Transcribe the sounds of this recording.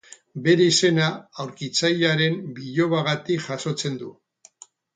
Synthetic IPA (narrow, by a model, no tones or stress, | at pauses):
be̞ɾe̞ise̞naːwɾkit͡sajʎaɾe̞mbiʎo̞βaɣat̪ikʝaso̞t͡se̞nd̪u